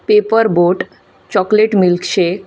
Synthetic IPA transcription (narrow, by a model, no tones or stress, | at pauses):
pepəɾboʈ | t͡ɕɔkleʈmilkʃe